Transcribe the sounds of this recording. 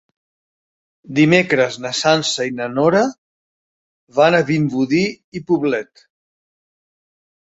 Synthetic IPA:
d̪imekɾəznəsansəinənoɾə | βanəβimbuði | ipuβlɛt̪

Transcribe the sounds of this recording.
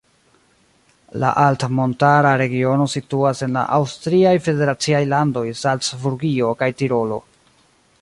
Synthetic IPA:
la̰ʔaltmo̞ntaɾaɾe̞ɡio̞no̞situase̞nla̰ʔawstɾiajfe̞de̞ɾat͡siajlando̞jsalt͡sbuɾɡio̞kajtiɾo̞lo̞̰

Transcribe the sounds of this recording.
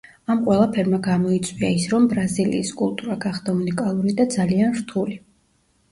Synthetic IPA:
amqʼwɛlˠapʰɛɾmaɡamɔit̪sʼwiaisɾɔmbɾazilḭːskʼulˠt̪ʼuɾaɡaχd̪aunikʼalˠuɾid̪ad̪zalianɾt̪ʰuli

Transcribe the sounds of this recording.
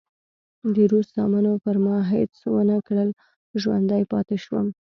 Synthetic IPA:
d̪iɾuszɑmɑnopəɾmɑɦḛt͡swənakɽəl | ʒwa̰nd̪ajpɑ̰t̪ɪʃwə̰m

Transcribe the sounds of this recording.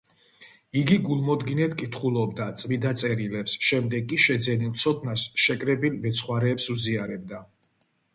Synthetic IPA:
iɡiɡulˠmɔd̪ɡinɛt̪ʰkʼit̪ʰχulˠɔbd̪at̪sʼvid̪at̪sʼɛɾilɛpsʃɛmd̪ɛɡkʼiʃɛd̪zɛnilˠt̪sʰɔt̪ʰnasʃɛkʼɾɛbilvɛt̪sʰχwaɾɛːpsuziaɾɛb̚d̪a

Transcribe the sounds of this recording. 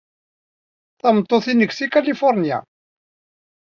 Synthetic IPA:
θɑmt̪ˤːoθinəɡsikælifʊɾnija̰

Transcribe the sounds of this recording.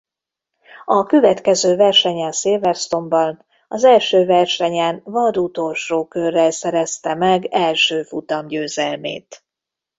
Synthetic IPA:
ɒkø̞vɛt̪kɛzøːvɛrʃɛɲɛnsiːlvɛrst̪o̞mbɒn | ɒzɛlʃøːvɛrʃɛɲɛnvɒd̪ut̪o̞lʃoːkørːɛlsɛɾɛst̪ɛmɛɡɛlʃøːfut̪ɒmɟøːzɛlmḛːt̪

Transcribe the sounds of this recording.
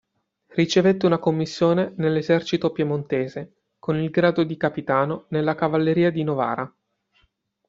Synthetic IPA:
rit͡ʃevet̪ːeunakomːisːjoːnenelːezɛrt͡ʃit̪opjemont̪eːze | konilɡɾaːd̪od̪ikapit̪aːnonelːakavalːeɾiːad̪inova̰ːɾa

